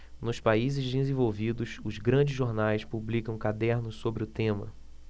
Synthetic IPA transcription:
nʊspaizɪzd̪ɪzẽvowvid̪ʊsʊzɡɾɐ̃d͡ʒɪzʒoɾnajspublikɐ̃w̃kad̪ɛɾnʊssobɾɪʊt̪ẽmɐ̰

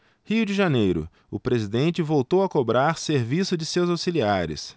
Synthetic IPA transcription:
hiʊd͡ʒɪʒanejɾʊ̰ | ʊpɾezid̪ẽnt͡ʃɪvowt̪owɐkobɾaɾseɾvisʊd͡ʒɪsewzawsiliaɾɪ̰s

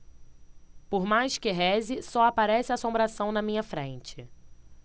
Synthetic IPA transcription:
poɾmajskɪɦɛzɪsɔapaɾɛsɪaːsõbɾasɐ̃w̃nɐmĩɲɐfɾḛ̃nt͡ʃɪ

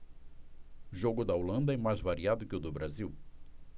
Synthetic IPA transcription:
ʒoɡʊd̪ɐolɐ̃nd̪ɐɛmajzvaɾiad̪ʊkɪʊd̪ʊbɾaziw

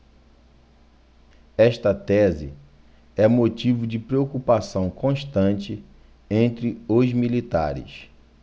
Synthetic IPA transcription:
ɛʃt̪ɐt̪ɛzɪ̰ | ɛ̃mot͡ʃivʊd͡ʒɪpɾeokupasɐ̃w̃kõʃt̪ɐ̃nt͡ʃɪ | ẽnt̪ɾɪʊzmilit̪a̰ɾɪ̰s

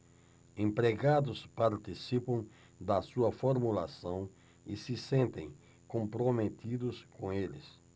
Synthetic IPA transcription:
ẽmpɾeɡad̪ʊspaɾt̪isipɐ̃w̃ | d̪ɐsuɐfoɾmulasɐ̃w̃ | isɪsẽnt̪ḛ̃j̃ | kõmpɾomet̪id̪ʊskõelɪ̰s

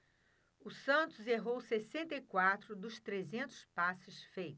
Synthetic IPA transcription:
ʊsɐ̃nt̪ʊzeɦowsesẽnt̪ɐikwat̪ɾʊd̪ʊst̪ɾezẽnt̪ʊ̥spasɪsfejt̪ʊ̥

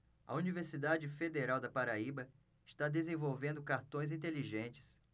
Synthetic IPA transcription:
ɐ̰univeɾsid̪ad͡ʒɪfed̪eɾawd̪ɐpaɾaibɐ | ɪʃt̪ad̪ezẽvowvẽnd̪ʊkaɾt̪õj̃zĩnt̪eliʒẽnt͡ʃɪ̥s

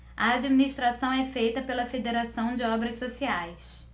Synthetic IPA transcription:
ɐad͡ʒiminiʃst̪ɾasɐ̃w̃ɛfejt̪ɐpelɐfed̪eɾasɐ̃w̃d͡ʒɪɔbɾɐsːosiajs

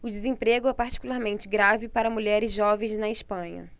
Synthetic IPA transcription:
ʊd͡ʒɪzẽpɾeɡʊɛpaɾt͡ʃi̥kulaɾmẽnt͡ʃɪɡɾavɪpaɾɐmuʎɛɾɪzʒɔvẽj̃znɐɪspɐ̃ɲɐ̰

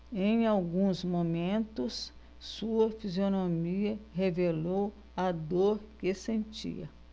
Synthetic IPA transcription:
ẽj̃awɡũzmomẽnt̪ʊs | suɐfizionomiɐɦevelow | ɐd̪oɾkesẽnt͡ʃḭɐ̰

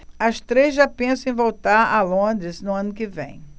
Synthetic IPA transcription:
ɐst̪ɾezʒapẽsʊ̃ẽj̃vowt̪aɾɐlõnd̪ɾɪznʊɐ̃nʊkɪvḛ̃j̃

